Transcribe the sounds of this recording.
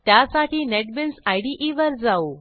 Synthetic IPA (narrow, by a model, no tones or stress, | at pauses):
t̪jasaʈiːneʈbinsajɽiʔiʋəɾd͡zau